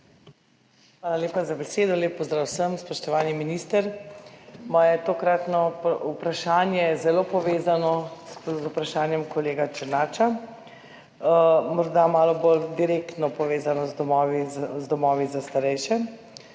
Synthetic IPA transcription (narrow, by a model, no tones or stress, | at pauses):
xʋaːlaleːpazabɛseːd̪ɔleːpːɔzd̪ɾaːwsəmspɔʃt̪ɔʋaːniminist̪əɾ | majɛt̪okɾat̪nɔupɾaʃaːnjɛzɛloːpɔʋeːzanɔzupɾaʃaːnjɛmkɔleːɡat͡ʃəɾnaːt͡ʃa | mɔɾd̪amaːlɔbold̪iɾekt̪nɔpɔʋeːzanɔzd̪ɔmɔːʋizd̪ɔmɔːʋizast̪aɾɛjʃɛ